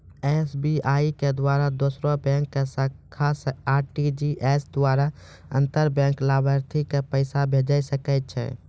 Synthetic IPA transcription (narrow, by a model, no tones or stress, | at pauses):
esbiʔaiked̪waɾad̪osɾobɛ̃ŋkːesəkʰːasaːɾʈid͡ʒiʔesd̪waɾa | ə̰̃nt̪əɾbɛ̃ŋklabʱəɾt̪ʰikepəɪsabʱed͡ʒəjsəkət̪̚t͡ʃʰɛ̰